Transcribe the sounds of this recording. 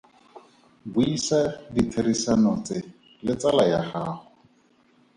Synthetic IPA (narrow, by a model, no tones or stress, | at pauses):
buisaditʰeɾisanɔt͡sɪ | lɪt͡salajahaːhʊ